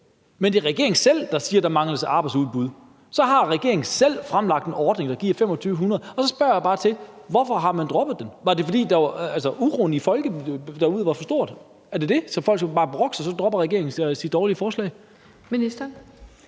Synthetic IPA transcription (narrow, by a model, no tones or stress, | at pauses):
mend̥eʁɛɡ̥e̝ɐeŋn̩sel̰d̥ɑ̈siːɐd̥ɑ̈mɑ̈ŋləsʔɑ̈ːb̥ɑ̈ɪdsuðˠb̥uð̞̰ˠ | sɒ̽ɦɑ̈ʁɛɡ̥e̝ɐeŋn̩sel̰fʁamlɑ̈ɡ̥̚d̥enɒːd̥ne̝ŋd̥ɑ̈ɡ̥iɐ̰fem̰ɒt͡sʰyːʊəɦunɐðˠɒ̽sɒ̽sb̥ɶɐ̰jɑb̥ɑ̈ːt͡sʰe̝ʋɒfɒ̽ɦɑ̈mænd̥ʁɔ̽b̥ð̩ˠd̥enʋɑ̈de̝fɒ̽d̥ḭːd̥ɑʋɑælsɒuʁoːn̩ifɒ̽lɡ̥əd̥ɑ̈uð̞̰ˠʋɑ̈fɒsd̥o̝ɐ̰d̥ | æɐd̥e̝d̥e̝sɒ̽fɒ̽l̰ɡæbɑ̈ːb̥ʁɔ̽ɡ̥sɑsɒ̽d̥ʁɒ̽b̥ɐʁɛɡ̥e̝ɐ̰e̝ŋn̩sid̥ːɒːliəfɒːslɛ̰ɪ | minisd̥ɐn